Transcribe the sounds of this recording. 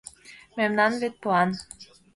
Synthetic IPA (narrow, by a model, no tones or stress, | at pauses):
memnɑnvet̪̚puɑn